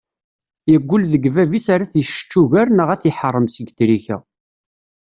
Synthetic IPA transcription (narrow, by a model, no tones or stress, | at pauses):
jəɡʷːʊlðəɡvævisaɾæθʃə̥t͡ʃːuʝæɾnəʁæθiħərˤːəmsəɡθɾiçæ̰